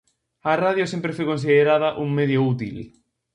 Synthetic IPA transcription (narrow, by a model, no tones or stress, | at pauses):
ɐraðjosẽmpɾefojkõnsiðeɾaðɐʔuŋmeð̞jout̪ḭl